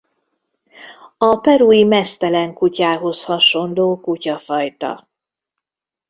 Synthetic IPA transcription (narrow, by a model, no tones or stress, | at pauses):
ɒpɛɾuːjimɛst̪ɛlɛŋkucaːɦo̞shɒʃo̞nloːkucɒfɒjt̪ɒ̰